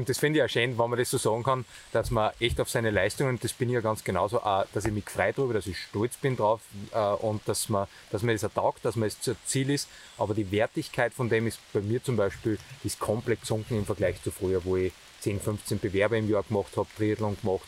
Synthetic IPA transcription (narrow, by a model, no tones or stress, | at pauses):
ʊntd̥esfɪ̃ndɪçaːʃeːnvanmɐɾessoːsɑːɡŋ̩kʰɑn | d̥asmɐʔɛçtaʊfsæɪnəlæɪstʊŋənnd̥esb̥ɪnɪçjɑːɡɑnt͡sɡ̥enɑ̰ʊsoʔad̥asɪçmɪçfʁaɪdʁyːbɐɾasɪçʃtɔlt͡sb̥ɪndʁaʊfəʔʊ̃nt̚d̥asmɐ | d̥asmɐdesɛɐd̥aʊkt̚d̥asmɐɛst͡suɐt͡siːlɪst | ʔɑːbɐdiːvɛɐtɪçkʰaɪtfɔndeːmɪstb̥æɪmiːɐt͡sʊmbæɪʃpiːld̥iskʰɔmplɛt̚sʊ̃ŋkŋ̩ɪmfɐɡ̥læɪçt͡sufʁyːɐvoːɪ | t͡seːnfʏɱft͡sənb̥evɛɐbɐɪmjɑːɐɡ̥mɑχthɑːptʁiːtl̩ʊŋɡ̥mɔχt